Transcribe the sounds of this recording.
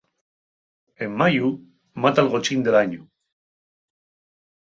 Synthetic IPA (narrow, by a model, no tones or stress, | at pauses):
emːaju | mat̪alɣot͡ʃind̪elaɲu